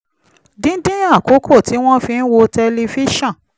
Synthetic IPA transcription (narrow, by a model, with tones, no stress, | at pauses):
dĩ˦n̩˦dĩ˦a˦˨ko˨˦kʰo˦˨ti˨˦w̃ɔ̃˦fĩ˧n̩˦wo˧tɛ˧li˧fi˦ʃɔ̃˦˨